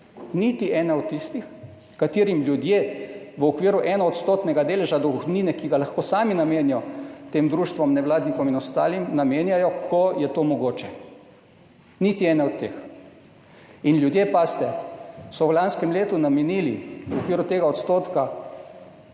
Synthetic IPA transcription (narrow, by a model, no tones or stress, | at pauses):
nit̪iʔɛːnɛɔt̪ːist̪ix | kat̪iːɾimljud̪jeːʋəɔkʋiːɾuʔɛnɔɔt̪st̪ot̪nɛɡad̪eːlɛʒad̪ɔxniːnɛkiɡalaxkoːsaːminameːnjɔt̪eːmd̪ɾuːʃt̪ʋɔmnɛʋlaːd̪nikɔminɔst̪a̰ːlimnameːnjajɔkʰɔjɛt̪oːmɔɡoːt͡ʃɛ | nit̪iɛːnɛɔt̪ːeːx | inlʲjud̪jepast̪ɛsɔwlanskɛmleːt̪unamɛniːliʋɔkʋiːɾut̪eːɡaɔt̪st̪oːt̪ka